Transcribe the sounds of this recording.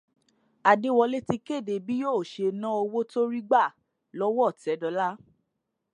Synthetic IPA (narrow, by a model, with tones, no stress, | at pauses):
a˨de˦wɔ˧le˦ti˧ke˦˨de˨bi˦jo˦˨ʃe˧nã˦o˧wo˦to˦ɾi˦ɡ͡ba˦˨ | lɔ˦wɔ˦˨tɛ˨˦dɔ˧˦la˦